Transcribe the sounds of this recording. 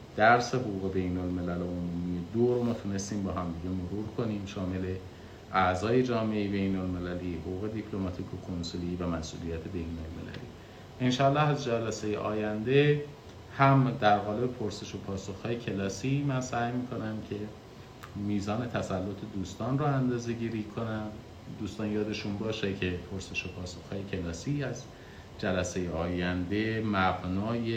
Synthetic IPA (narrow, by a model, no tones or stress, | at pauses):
d̪̥æɾse̞ɦoɣuːɣe̞be̞jnolme̞læloomuːmije̞d̪oɾmɒːt̪ʰune̞st̪iːmbɒːɦæmd̪iɟemoɾuːɾkʰo̞niːmʃɒːme̞le̞ | ʔæzɒːje̞d͡ʒɒːmeejebejnolme̞læliːhoɣuːɣe̞d̪ipʰlo̞mɒt̪ʰiːkʰokʰonsoliːvæmæsʔṵːlijæt̪ʰe̞be̞jnolme̞̰læ̰lḭː | enʃɒːlːɒːhæzd͡ʒælæsejḛʔɒːjænd̪e̞ | hæmd̪æɾɣɒːle̞bepʰoɾse̞ʃopʰɒːsoxhɒːjecʰe̞lɒːsiːmænsæːjmiːkʰo̞næmcʰe̞ | miːzɒːne̞t̪ʰæsælːot̪ʰed̪uːst̪ɒːnruænd̪ɒːze̞ɟiːɾikʰo̞næn | d̪uːst̪ɒːnjɒːd̪e̞ʃunbɒːʃecʰe̞pʰoɾse̞ʃopʰɒːso̞xhɒːjecʰe̞lɒːsiːæz | d͡ʒælæsejeɒːjænd̪e̞mæɣnɒːje